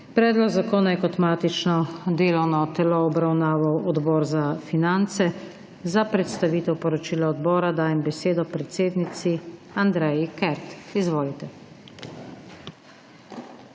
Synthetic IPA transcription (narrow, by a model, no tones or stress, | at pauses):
pɾɛːd̪lɔɡzakoːnajɛkɔt̪maːt̪it͡ʃnɔd̪eːlɔwnɔt̪ɛlɔɔbɾawnaːʋawɔd̪bɔːɾzafinant̪sɛ | zapɾɛt̪st̪aʋiːt̪ɛwpɔɾɔt͡ʃiːlaɔd̪bɔːɾad̪aːjɛmbɛseːd̪ɔpɾɛt̪seːd̪nit̪siand̪ɾɛjikɛɾt̪izʋoːlit̪ɛ